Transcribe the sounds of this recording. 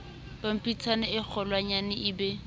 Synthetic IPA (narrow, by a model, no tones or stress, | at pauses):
b̥am̩pʼit͡sʰanɪɪk͡xʰɔlwaɲanɪʔɪbɛ